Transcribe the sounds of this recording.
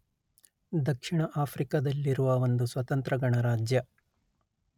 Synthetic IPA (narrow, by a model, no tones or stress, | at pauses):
d̪ɐkʂiɳɐʔaːpʰɾikɐd̪ɐlːiɾuʋɐʋond̪usʋɐt̪ɐnt̪ɾɐɡɐɳɐɾaːd͡ʒjɐ